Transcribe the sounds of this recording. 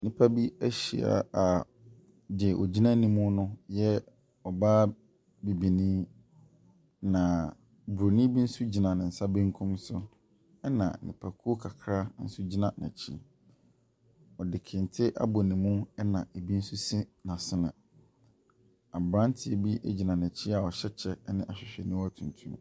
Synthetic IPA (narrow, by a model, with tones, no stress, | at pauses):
nɪ̃˨pʰa˦bi˦æ˦ɕi˨a̰˨a˨ | dɪ˨ʔɔ˨d͡ʑi˦nã˦nĩ˨mʊ̃˦nʊ̃˦jɛ˦ | ɔ˨baː˦ | bi˨bi˨nĩː˦ | nã˨ | bu˨ɾo˨nĩ˦bi˦n̩˦su˦d͡ʑi˨nã˨nɪ̃˨n̩˨sa˦bẽ˦ŋ˦kʰũ˦msʊ˦ | ɛ˦nã̰˨nɪ̰̃˨pʰa˨kʰu˦o˦kʰa˨kʰɾa˦n̩˦sʊ˦d͡ʑi˦nã˨nɛ̰̃˨t͡ɕʰi˦ | ɔ˨dɪ˨kʰɪ̃˨n̩˨tʰɪ˦ʔa̰˦bɔ˨nĩ˨mʊ̃˦ɛ˦nã˨e˨bi˦n̩˦su˦si˦nã˨sɪ˦nã̰˨ | a˨bɾã˦n˦tʰɪ˨e˨bi˦ʔḛ˦d͡ʑi˨nã˨næ̃˨t͡ɕʰi˦a˨ɔ˨ɕɛ˦t͡ɕʰɛ˦nɪ̃˦ʔa˨ɕᶣɪ˨ɕᶣɛ˨nĩ˦wɔ˦æ˦˨tʰũ˨ntʰũ˦m